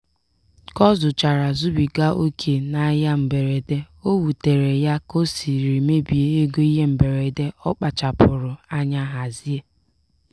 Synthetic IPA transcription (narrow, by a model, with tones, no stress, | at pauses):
kɔ˦zʊ˨t͡ʃa˨ɾa˨zu˦bi˨ɡa˦ʔo˦kʰe˨na˨˦ja˦m̩˨be˨ɾe˨de˦ | o˦wu˨te˨ɾe˨ja˦ko˦si˨ɾi˨me˦bi˨e˨e˦ɡo˦i˦ɦe˦m̩˨be˨ɾe˨de˦ɔ˦k͡pa˨t͡ʃa˨pʊ˨ɾʊ˨a˦ɲa˦ɦa˨zi˦e˦